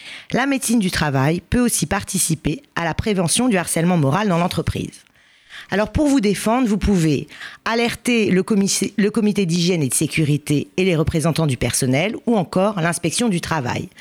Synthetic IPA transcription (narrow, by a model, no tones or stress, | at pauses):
lamet̪sind̪yt̪χavajpøosipaʁt̪isipealapχevɑ̃sjɔ̃d̪yaʁsɛlmɑ̃mɔʁald̪ɑ̃lɑ̃t̪χəpχḭːz | alɔʁpuʁvud̪efɑ̃d̪ʁvupuvealɛʁt̪eləmiləkɔmit̪ed̪iʒjɛned̪əsekʲyʁit̪eːleʁəpχezɑ̃t̪ɑ̃d̪ypɛʁsɔnɛluɑ̃kɔʁlɛ̃spɛksjɔ̃d̪yt̪χava̰j